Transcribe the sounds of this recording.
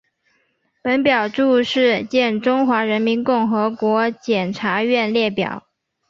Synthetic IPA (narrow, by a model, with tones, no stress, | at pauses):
pə˧˥npjɑ˨˩ʊʈ͡ʂu˥˧ʂɻ̩˥˧t͡ɕjɛ˥˩nʈ͡ʂʊ˥ŋxwa˧˥ɻə˧˥nmi˧˥nkʊ˥˩ŋxɤ˧˥kwɔ˧˥t͡ɕjɛ˨˩nʈ͡ʂʰa˧˥ɥɛ˥˧nljɛ˥˩pjɑ̰˨˩˦